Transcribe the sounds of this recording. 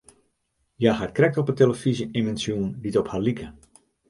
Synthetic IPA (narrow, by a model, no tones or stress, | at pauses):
jaxat̚krɛk̚tɔpəteləfiziemɛnsjuənditɔphalikʰə